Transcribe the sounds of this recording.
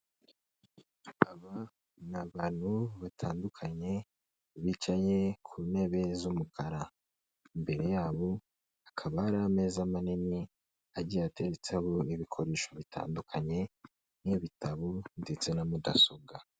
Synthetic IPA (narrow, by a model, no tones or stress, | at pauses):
aβa | naβaːn̥huβatʰaːndukʰaɲe̞ | βit͡ʃaje̞kʰune̞βe̞zumukʰaɾa | imbe̞ɾe̞jaːβo̞ | akʰaβaːɾaame̞ːzamanini | aɟiate̞ɾet͡seho̞iβikʰo̞ɾe̞ːʃo̞βitʰa̰ːndukʰaɲe̞ | niβitaβondet͡se̞namuda̰soɡa